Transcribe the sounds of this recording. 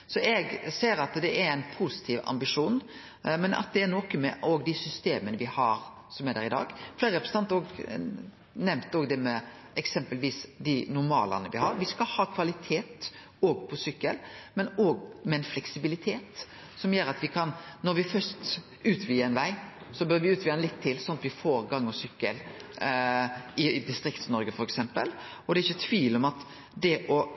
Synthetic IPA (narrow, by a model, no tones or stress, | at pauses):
sɔʔɛɡseːɾɑt̪d̪ɛæɾæɪnpʰusɪ̥t̪ʰiːʋɑ̰mbɪʂuːn | mɛnʔɑ̰t̪̚d̪ɛːnɔːkəmɛ̰ʔoːɡd̪ɪsʏst̪eːmənəʋɪhɑɾ | sɔmæd̪æ̰ɾɪd̪ɑ̰ːɡfleːɾəɾɛpɾəsət̪ɑnt̪oːɡ | nɛmt̪oːɡd̪ɛmɛ | ɛksɛmpəlʋiːsd̪ɪnʊɾmɑ̰ːlɑ̰nəʋɪhɑɾʋɪskɑhɑːkʰʋɑlɪt̪ʰeːt̪ | oːɡpʰɔsʏkːəlmɛnoːɡmɛɛnflɛksɪbɪlɪt̪ʰeːt̪ | sɔmjøːɾɑt̪ʋɪkʰɑnnɔɾʋɪfœɾst̪ | ʉːt̪ʰʋiːəɛnʋæɪ | sɔbøːɾʋɪʉːt̪ʋiːɑɛnlɪt̪ʰːɪlsɔnːɑt̪ʋɪfoːɾɡɑŋːɔsʏkːəl | ɪd̪ɪst̪ɾɪkt̪snɔɾɡəfɔɾɛksɛmpə̰l | ɔd̪ɛɾɪçːət̪ʰʋiːlɔmɑt̪ | d̪ɛʔɔ